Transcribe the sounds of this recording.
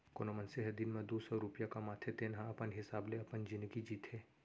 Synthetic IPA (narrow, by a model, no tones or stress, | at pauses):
koːnomɐ̃nseɦd̪ɪnmẽd̪oːsɔɾupjakamaːt̪ʰet̪ʰenɦãɐpənɦɪsaːbleɐpənd͡ʒɪ̃nd̪əɡid͡ʒiːt̪ɦeː